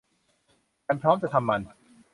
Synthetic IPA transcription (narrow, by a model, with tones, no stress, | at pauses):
ka˧npʰɾɔː˦˥mt͡ɕa˨ʔt̪ʰa˧mːa˧n